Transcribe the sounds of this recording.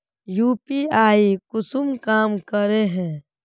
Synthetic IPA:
juːpiaːikʊsumkaːmkəɾeɦɛ̃ː

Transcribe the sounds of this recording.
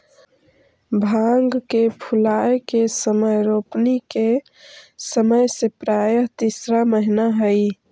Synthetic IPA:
bʱaŋɡkepʰʊlaːekesəməjɾoːpnike | səməjsepɾaːjəɦt̪isɾaməɦinaɦəi

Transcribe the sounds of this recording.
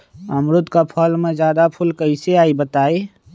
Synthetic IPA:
əmɾʊt̪kapʰəːlmẽd͡ʒjaːd̪apʰʊlkəɪseaːibət̪aːeː

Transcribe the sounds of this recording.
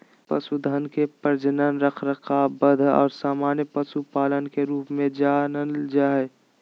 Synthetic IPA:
pə̰sud̪ʱənkepəɾd͡ʒənənɾəkʰɾəkʰabəd̪ʱɔ̰ːɾsaːmaːnjəpəsupaːlənkeɾuːpmẽd͡ʒaːnəld͡ʒaːe

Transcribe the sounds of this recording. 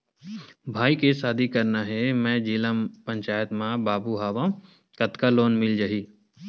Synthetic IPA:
bʱaːikesaːd̪ʱikɐɾnaɦɛmɛ̃ːd͡ʒeːləmpə̃ɲt͡ʃaːjət̪mãbaːbuɦaːʋã | kɐt̪kaloːnmɪld͡ʒaɦiː

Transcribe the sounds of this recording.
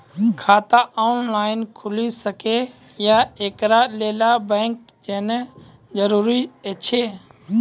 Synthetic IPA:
kʰaːt̪aʔoːnlaːɪnkʰʊlisəke | jaːeːkɾaːleːlaːbɛ̃ːŋk̚ | d͡ʒeːne | d͡ʒəɾuːɾiet͡ʃʰeː

